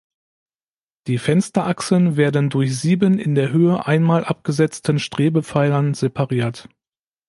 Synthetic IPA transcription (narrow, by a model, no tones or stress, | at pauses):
d̥iːfɛnstɐʔaksl̩ənveːɐdən̩dʊɐçz̥iːbənɪ̰ndeːɐɦøːəʔaɪnmaːlʔap̚ɡ̥əzɛt͡stənʃtʁ̥eːbəp͡faɪlɐnzepʰaʁiːɐt